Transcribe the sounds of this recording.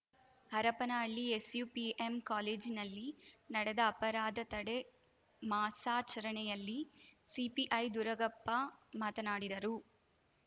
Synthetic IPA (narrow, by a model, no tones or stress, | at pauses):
hɐɾɐpɐnaːɭːiesjuːpiemkaːleːd͡ʒinɐlːinɐɽɛd̪ɐːpɐɾaːd̪ɐt̪ɐɽe | maːsaːt͡ʃɐɾɐɳɛjɐlːisipiʔɐjd̪uɾɐɡɐpːɐmaːt̪ɐnaːɽid̪ɐɾu